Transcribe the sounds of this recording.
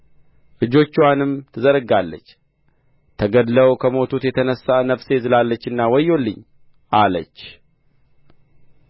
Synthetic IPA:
ʔɨd͡ʒo̞t͡ʃːwanɨmt̪ʰɨzəɾɡalːə̰t͡ʃː | t̪ʰəɡəd̪ləwkʰəmo̞t̪ʰut̪jɛt̪ʰənəsːanəfse̞zɨlalːət͡ʃːɨnːawɔjːo̞lːɨɲː | ʔalət͡ʃː

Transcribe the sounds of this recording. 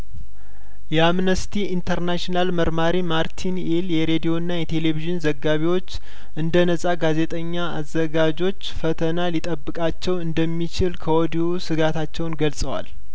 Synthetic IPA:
jɛamnəst̪ʰiint̪ʰəɾnaʃinalməɾmaɾimaɾt̪ʰineljɛɾe̞d̪ijo̞ɨnːajɛt̪ʰe̞le̞βiʒɪnzəɡːaβiwo̞t͡ʃː | ʔɨnd̪ənəsʼaɡaze̞t̪ʼəɲːaazːəɡad͡ʒo̞t͡ʃːfət̪ʰənalit̪ʼəbːɨkʼat͡ʃːɛwɨnd̪əmːit͡ʃɪlkʰəwɔd̪iwusɨɡat̪ʰat͡ʃːɛwnɡəlsʼəwa̰l

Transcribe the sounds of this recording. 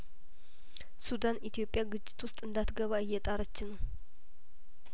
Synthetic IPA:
sud̪anʔit̪ijo̞pʼːjaɡɨt͡ʃʼːɪ̥t̪wʊst̪ʼɨnd̪at̪ɡəβaɨjːɛt̪ʼaɾət͡ʃːɪnəw

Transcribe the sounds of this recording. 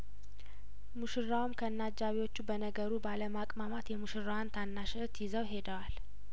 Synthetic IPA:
muʃɨrːawumkʰəɨnːad͡ʒːaβiwo̞t͡ʃːubənəɡəɾubaləmakʼmamat̪jɛmuʃɨrːawant̪ʰanːaʃɛt̪jɪzəwɦe̞d̪əwal

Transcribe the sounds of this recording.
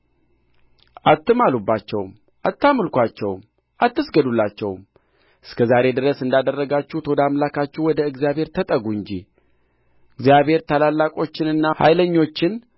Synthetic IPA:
ʔat̪ːɨmalubːat͡ʃːɛwm | ʔat̪ʰːamɨlkʷat͡ʃːɛwm | ʔat̪ːɨsɡəd̪ulːat͡ʃːɛ̰wm | ʔɨskʰəzaɾe̞d̪ɨɾəsɨnd̪ad̪ərːəɡat͡ʃːut̪ʰo̞d̪amlakat͡ʃːuwɔd̪əɨɡzjaβhe̞ɾt̪ʰət̪ʼəɡuɨɲd͡ʒi | ɨɡzijaβhe̞ɾt̪ʰalalːakʼo̞t͡ʃːɪnɨnːaha̰jləɲːo̞t͡ʃːɪn

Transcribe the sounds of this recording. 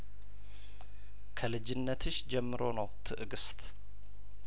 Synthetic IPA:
kʰəlɨd͡ʒɪnːət̪ʰɨʃd͡ʒɛmːɨɾo̞nəwt̪ʰɨʔɨɡɨst̪

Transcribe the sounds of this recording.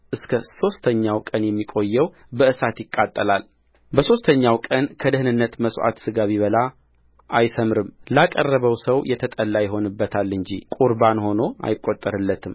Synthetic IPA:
ʔɨskʰəso̞st̪ʰəɲːawkʼənjɛmːikʼo̞jːɛw | bəʔɨsat̪jɪkʼːat̪ʼːəlal | bəso̞st̪ʰəɲːawkʼənkʰəd̪əhɨnɨnːət̪məsʼʔa̰t̪sɨɡaβiβəla | ʔajsəmɾɨmlakʼərːəβəwsəwjɛt̪ʰət̪ʼəlːajɪɦo̞nɨbːət̪ʰalːɨɲd͡ʒḭkʼuɾbanho̞no̞a̰jɪkʼːo̞t̪ʼːəɾɨlːət̪ʰɨm

